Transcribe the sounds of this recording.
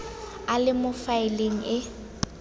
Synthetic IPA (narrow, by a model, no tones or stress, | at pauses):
alɪmʊfaɪleŋ̩ʔɪ